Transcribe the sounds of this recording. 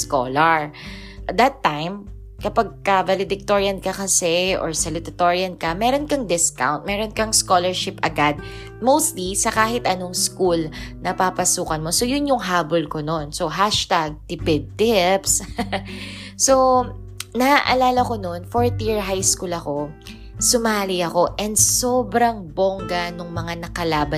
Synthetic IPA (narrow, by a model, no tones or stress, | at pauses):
sko̰ːlɐɹ | ʔɐd̪ɐt̪ːajm | kɐpɐɡ̚kɐvɐlɪd̪ɪk̚t̪oɹiɐnkɐkɐsɛʔɔ̰ɹsɐlɪt̪ɐt̪oɹɪɐnkɐmɛːɾonkɐŋd̪ɪska̰wnt̪̚mɛːɾonkɐŋskolɛɹʃɪpʔɐɡad̪̚ | mowst̪lisɐkaːhɪt̪ʔɐnoŋskulnɐpapɐsuːkɐnmo̞so̞jʊnjʊŋɦaːbolkono̞nso̞ɦaʃt̪aɡ̚t̪ɪpɛd̪̚t̪ɪps | so | nɐaʔɐlaːlɐko̞nonfoɹt̪iɹɦajskulɐko̞ | sʊmaːliɐko̞ʔɛnd̪soːbɾɐŋboŋɡɐnʊŋmɐŋanɐkɐlaːbɐ